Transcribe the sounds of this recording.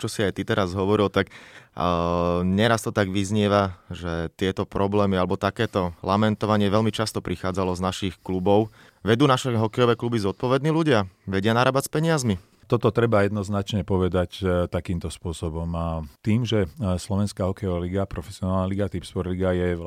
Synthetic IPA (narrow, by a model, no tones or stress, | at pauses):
t͡ʃɔsiajt̪it̪ɛɾazɦɔʋɔɾilt̪ak | ɲɛɾast̪ɔt̪aɡʋizɲɪɛʋaʒɛt̪ɪɛt̪ɔpɾɔblɛːmialɛbɔt̪akɛːt̪ɔlamɛnt̪ɔʋaɲɪɛʋɛʎmit͡ʃast̪ɔpɾixaːd͡zalɔznaʃixklubɔʊ | ʋɛd̪uːnaʃɛɦɔkɛjɔʋɛːklubizɔt̪̚pɔʋɛd̪niːluɟɪaʋɛɟɪanaɾaːbat͡spɛɲɪazmi | t̪ɔt̪ɔt̪ɾɛbajɛd̪nɔznat͡ʃɲɛpɔʋɛd̪act̪akiːmt̪ɔspʊɔsɔbɔmat̪iːmʒɛslɔʋɛnskaːɦɔkɛjɔʋaliɡapɾɔfɛsɪɔnaːlnaliɡat̪ipspɔɾliɡajɛ